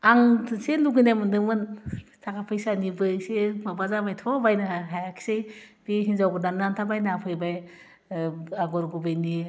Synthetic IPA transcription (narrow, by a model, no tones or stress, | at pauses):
aŋtʰɯseluɡinajmɯndɯmɯntʰakʰapʰɯjsanibɯjsemabazabajtʰɔbajnɯaɦajakʰi̥sejb̥iɦinzawɡɯdanːantʰabajnapʰɯjbaj | aɡɔɾɡubɯjni